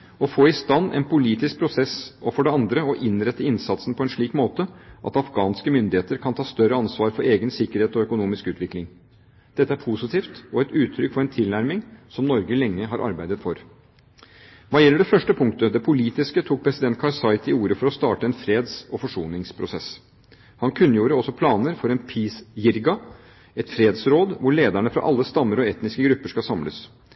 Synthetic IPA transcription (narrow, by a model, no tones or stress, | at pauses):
ɔfoːɪst̪ɑnːʔɛ̰npʊliːt̪ɪsk̚pʰɾʊsɛsɔfɔɖɛɑnd̪ɾəɔʔɪnɾɛt̪ːəɪnsɑt̪sn̩pʰɔɛnʂɭiːkmoːt̪əʔɑ̰t̪ɑfɡɑːnskəmʏnd̪ɪheːt̪əɾkʰɑnt̪ʰɑːst̪œɾəɑnsʋɑːɾfɔɾeːɡənsɪkːəɾheːt̪ɔœkʊnuːmɪskʉːt̪ʋɪklɪŋ | d̪̥ɛt̪ːəæɾpʰusɪt̪iːft̪ɔɛt̪ʉːt̪ʰːɾʏkfɔɾɛnt̪ʰɪlnæɾmɪŋsɔmnɔɾɡəlɛŋːəɦɑɾʔɑ̰ɾbæɪd̪ət̪fɔɾ | ʋɑːjɛlːəɖɛfœʂʈəpʰʊŋkt̪əd̪ɛpʰʊliːt̪ɪskət̪ʰuːk̚pʰɾɛsɪd̪ɛnt̪̚kʰɑɾsɑɪt̪ɪuːɾəfɔɾɔst̪ɑːʈəɛnfɾeːd̪sɔfɔʂuːnɪŋspʰɾʊsɛs | hɑnkʰʉnːəjuːɾəɔsːɔpʰlɑːnəɾfɔɾɛnpʰiːsjɪɾɡɑ | ɛt̪fɾeːd̪sɾoːd̪ʋʊɭeːd̪æɳəfɾɑ̰ʔɑlːəst̪ɑmːəɾɔɛt̪nɪskəɡɾʉpːəʂkɑlsɑmlə̰s